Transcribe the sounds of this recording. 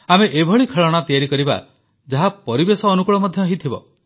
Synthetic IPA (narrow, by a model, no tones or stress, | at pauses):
ameʔebʱɔɭikʰeɭɔɽ̃at̪ijaɾikɔɾiba̰ | d͡ʒaɦapɔɾibesɔːnukuɭɔmɔd̪ʱjɔaɦit̪ʰibɔ